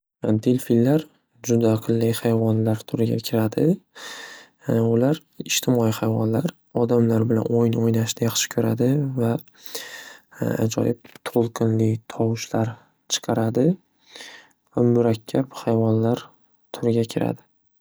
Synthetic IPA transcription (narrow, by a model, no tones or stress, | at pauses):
d̪elfilːaɾ | d͡ʒʊd̪aːqʰɨlˠːijhajvɒnlaɾt̪ʰʊɾɪɡʲa̰kʲʰɪɾad̪ɪ | ʊlaɾ | ɪʃt̪ʰɪmɒjihajvɒnlaɾ | ɒd̪amlaɾbɪla̰nojnojnaʃnɪjɑχʃɪ̥kʰɵɾad̪ɪva | a̰d͡ʒɒ̰jɪp̚t̪ʰolˠqʰɨnlɪt̪ʰɒwɪʃlaɾ | t͡ʃʰɨ̥qʰɑɾad̪ɪ | vamʊɾakʲʰːaphajvɒnlaɾ | t̪ʰʊɾɪɡʲakʲʰɪɾa̰d̪ɪ